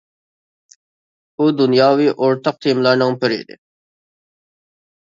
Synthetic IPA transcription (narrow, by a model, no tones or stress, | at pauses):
ud̪unjɑːwiːʔoɾt̪ʰɑq̚t̪ʰimlaɾnaŋpʰəɾḛd̪ḭ